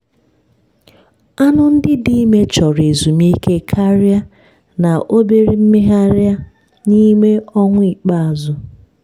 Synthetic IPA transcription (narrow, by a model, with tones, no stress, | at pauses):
a˦nʊ˦n̩˦dɪ˦di˦me˦t͡ʃɔ˨ɾe˨zu˨mi˦kʰe˦kʰa˦ɾa˦ | na˨ʔo˦be˦ɾi˨m̩˦mɪ˦ɦa˦ɾa˦ | ni˦me˦ɔ˦ŋʷʊ˦i˨k͡pa˦a˨zʊ˨